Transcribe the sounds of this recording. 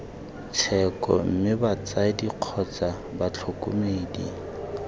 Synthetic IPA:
t͡sʰɛkʼɔ̰m̩mɪbat͡sadiq͡χʰɔt͡sa | bat͡ɬʰokʼʊ̰meːdi

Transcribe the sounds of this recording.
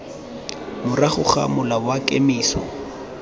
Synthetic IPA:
mʊraχʊχa̰mʊlabʊwakʼemiːsɔ̰

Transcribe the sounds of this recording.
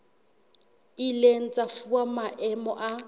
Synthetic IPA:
ilen̩t͡sʼafuamaʔɛmɔ̰ʔa

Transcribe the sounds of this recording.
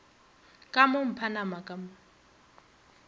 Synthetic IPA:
kʼamʊm̩pʰanamakʼamʊ

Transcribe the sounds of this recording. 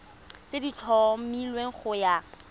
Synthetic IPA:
t͡sedit͡ɬʰɔmilweŋ̩χʊja

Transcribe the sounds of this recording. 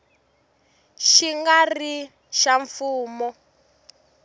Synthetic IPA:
ʃiŋɡari | ʃaɱfuːmɔ

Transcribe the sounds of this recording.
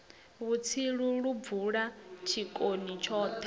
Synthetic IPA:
βut͡sʰiɺuɺub̪vuɺat͡ʃʰikʼonit͡ʃʰɔːt̪ʰɛ

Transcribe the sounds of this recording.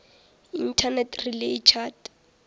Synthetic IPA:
in̩tʰanɛtʰrileit͡ʃʰat

